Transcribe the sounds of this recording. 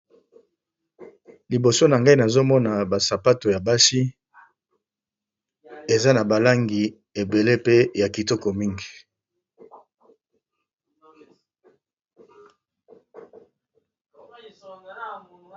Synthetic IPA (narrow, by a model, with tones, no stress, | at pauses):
li˨bo˨so˦na˨ŋɡa˦i˦na˨zo˦mɔ˦na˨ba˨sa˨pa˦to˨ja˨ba˦si˦ | e˨za˦na˨ba˨la˦ŋɡi˨ | e˨be˨le˦pe˦ja˨ki˨tɔ˦kɔ˨mi˦ŋɡi˨